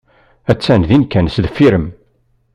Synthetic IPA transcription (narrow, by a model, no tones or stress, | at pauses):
æt͡sːænðinkænsðəfːiɾəm